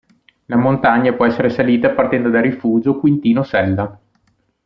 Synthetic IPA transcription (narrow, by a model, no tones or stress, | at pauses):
lamont̪aɲːapwɔɛsːeɾesaliːt̪apart̪ɛnd̪od̪arifuːd͡ʒokwint̪iːnosɛlːa